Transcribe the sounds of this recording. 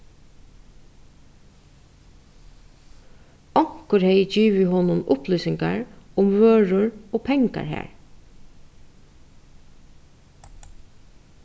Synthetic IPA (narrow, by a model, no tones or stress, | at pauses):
ɔŋ̥kʊɹhɛɪd͡ʒiːʋɪɦɔnʊmʔʊplʏːsɪŋkaɹʊmʋøːɹʊɹoːpʰɛŋka̰ɹɦæ̰ːɹ